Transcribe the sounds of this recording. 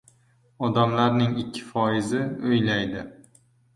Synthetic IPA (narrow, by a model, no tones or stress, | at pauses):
ɒd̪amlaɾnɪŋɪkʲʰːɪ̥fɒɪzɪojlajd̪ɪ